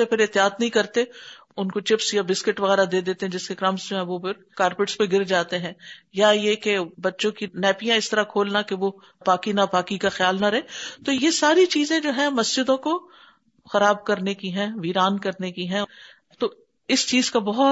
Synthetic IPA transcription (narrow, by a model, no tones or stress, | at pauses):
epʰɪɾɪt̪ɪjaːt̪nɐɦĩkɐɾt̪e | ʊnkot͡ʃɪpsjabɪskɪʈʋɐɣɛːɾad̪eːd̪eːt̪eɦɛ̃d͡ʒɪskekɾɐ̃msd͡ʒoːɦɛ̃ʋopʰɪɾ | kaːɾpɪːʈspeɡɪɾd͡ʒaːt̪eɦɛ̃jajekebɐtːʃõkinɛːpijãɪst̪ɐɾakʰoːlnakeʋo | baːkinabaːkikaxjaːlnaɾɐɦẽt̪ojesaːɾit͡ʃiːzẽd͡ʒoːɦɛ̃mɐsd͡ʒɪd̪õko | xɐɾaːbkɐɾnekiɦɛ̃ʋiːɾaːnkɐɾnekiɦɛ̃ | t̪oː | ɪst͡ʃiːzkabɐɦʊt